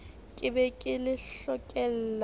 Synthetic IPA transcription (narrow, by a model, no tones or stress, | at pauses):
kʼɪbɛkʼɪlɪɬɔkʼɛl̩ːl